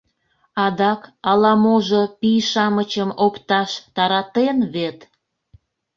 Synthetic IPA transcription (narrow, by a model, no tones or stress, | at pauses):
ɑd̪ɑkɑlɑmoʒopijʃɑmət͡ɕəmopt̪ɑʃt̪ɑɾɑt̪enβet̪